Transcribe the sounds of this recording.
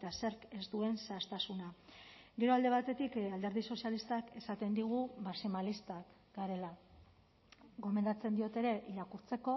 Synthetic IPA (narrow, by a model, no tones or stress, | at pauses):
et̪ase̞ɾke̞zd̪ue̞nsast̪asuna | ɡe̞ɾo̞ald̪e̞β̞at̪e̞t̪ikald̪e̞ɾð̞iso̞sjalist̪ake̞sat̪e̞nd̪iɣ̞umasimalist̪ak | ɡaɾe̞la | ɣo̞me̞nd̪at͡se̞nd̪io̞t̪e̞ɾe̞ʔiɾakuɾt͡se̞ko̞